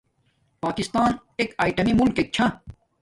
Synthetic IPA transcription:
paːkist̪aːn | ekaːiʈɐmimʊlkek̚t͡ɕʰã

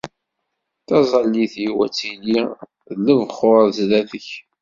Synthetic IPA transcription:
θɑzˤɑlːiθjiwæt͡sːili | ðləvχʊɾzlæθəç

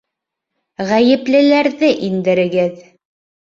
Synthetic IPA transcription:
ʁæjɘ̆plɘ̆læɾðɘʔind̪ɘ̆ɾɘ̆ɡɘð

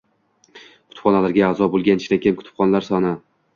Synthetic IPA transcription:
kʰʊ̥t̪ʰɪ̥pχɒnalaɾɡʲaːzɒbolˠɡʲanɪʃd̪ankʲeɪmkʰʊ̥t̪ɪ̥p̚χɒnlaɾsɒnɪ

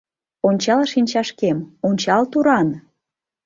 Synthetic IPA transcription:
onʲt͡ɕɑlʃinʲt͡ɕɑʃkemonʲt͡ɕɑlt̪uɾɑn

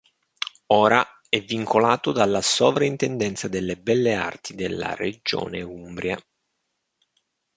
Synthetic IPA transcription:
ɔːɾa | ɛvːiŋkʰolaːt̪od̪alːasoːvɾaint̪ɛnd̪ɛnt̪sad̪elːebɛlːea̰rt̪ʰid̪elːa̰rḛd͡ʒo̰ːneumbɾja

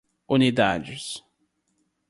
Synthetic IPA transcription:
unid̪ad͡ʒɪs

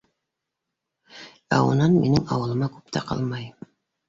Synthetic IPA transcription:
æ̰ṵnɑnminɘŋɑwɤ̆lˠɤ̆mɑkʉpt̪ʰæqɑ̰lˠmɑj

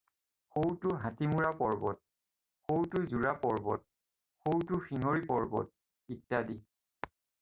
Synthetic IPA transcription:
xowtʊɦatimuɹapɔɹbɔt̚ | xowtʊzuɹapɔɹbɔ̰t̚ | xowtʊxiŋoɹipɔɹbɔ̰t̚ | itːadi

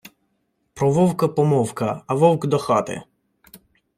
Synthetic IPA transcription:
pɾɔʋɔwkɐpɔmɔwkɐɐʋɔwkd̪ɔxɑt̪ɪ̰

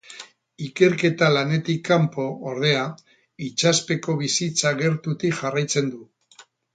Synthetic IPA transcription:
ike̞ɾke̞t̪alane̞t̪ikːampo̞ːɾð̞e̞a | it͡ʃaspe̞ko̞β̞isit͡saɣe̞ɾt̪ut̪iʝarajt͡se̞nd̪u

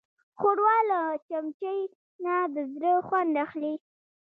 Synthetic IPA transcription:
xoɽwɑlat͡ʃamt͡ʃəj | nad̪əzɾəxwand̪axli

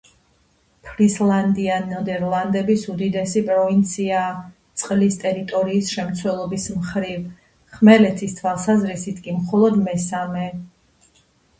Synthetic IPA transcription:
pʰɾislˠand̪ianɔd̪ɛɾlˠand̪ɛbisud̪id̪ɛsipʼɾɔvint̪sʰiat̪sʼqʼlist̪ʼɛɾit̪ʼɔɾiːsʃɛmt̪sʰwɛlˠɔbismχɾiv | χmɛlɛt̪ʰist̪ʰwalˠsazɾisit̪ʰkʼimχɔlˠɔd̪mɛsamɛ

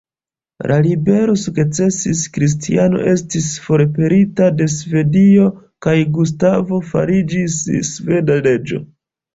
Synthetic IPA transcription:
lalibe̞ɾo̞suɡt͡se̞siskɾis̬tiano̞̰ʔe̞stisfo̞ɾpe̞ɾitade̞s̬ve̞dio̞ | kajɡus̬tavo̞fa̰ɾid͡ʒisːve̞dale̞d͡ʒo̞̰

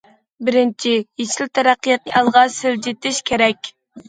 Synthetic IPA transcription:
bɪɾɪnt͡ʃʰijet͡ʃɪlt̪ʰæɾæqːijɑt̪̚nɨʔɑlˠʁɑsɪld͡ʒet̪ɪʃkʲʰeɾɛkʲ

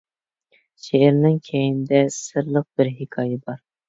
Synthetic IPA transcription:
ʃeɪɾnɪŋkʲʰejɪnɪd̪ɛsɨɾlˠəq̚bɪɾɦɪkʰɑːjɛbɑɾ

